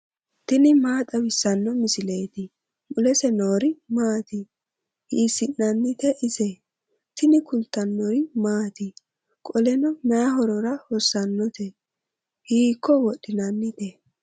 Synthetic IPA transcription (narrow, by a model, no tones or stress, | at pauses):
t̪ɪnɪmaːt̪ʼɐwɪsːɐnːɔmɪsɪleːt̪ɪ | mʊlɛsɛnoːɾɪmaːt̪ɪ | hiːsɪnːɐnːɪt̪ɛʔɪsɛ | t̪ɪnɪkʊnt̪ːɐnːɔɾɪmaːt̪ɪ | kʼɔlɛnɔmɛjɐɦɔɾɔɾɐhɔsːɐnːɔt̪ʰɛ | hiːkːɔwɔɗːɪnɐnːɪt̪ɛ